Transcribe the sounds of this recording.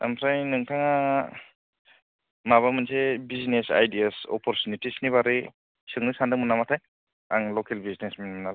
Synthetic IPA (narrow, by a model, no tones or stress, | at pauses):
a̰msajnɯŋtʰaŋa | maβamɯnsebizinesa̰jdiasɔ̰pʰɔɾtunitisniβaɾi | sɯŋnɯsandɯŋmɯnamatʰaj | aŋlɔkʰelbizinesmenmɯna